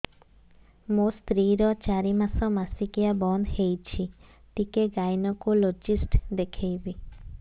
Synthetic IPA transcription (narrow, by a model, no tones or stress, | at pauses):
mũst̪ɾiɾɔt͡ʃaɾimasɔmasikiabɔnd̪hejt͡ʃʰi | ʈikeɡajnɔkulod͡ʒisʈd̪ekʰejbi